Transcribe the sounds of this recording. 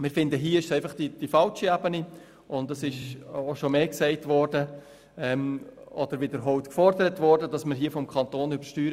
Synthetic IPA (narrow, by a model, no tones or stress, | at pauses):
mɪɾfɪndəɦiːəɪʃsɛɪfɑχd̥id̥ifɑlʃiɛbəni | ʊndɑsɪʃoʃomeːksɛɪtvɔːrdə | ɛmɔd̥əɾʋɪdəɾɦɔʊtkfɔrdəɾətvɔrdəd̥ɑsməɾɦiːəfɔmkʰɑnt̪oːnyb̥əɾʃtyːɾə